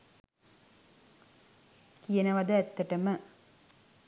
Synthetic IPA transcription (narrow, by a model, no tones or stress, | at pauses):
kijɐnɐʋɐd̪ɐɛt̪ːɐʈɐmə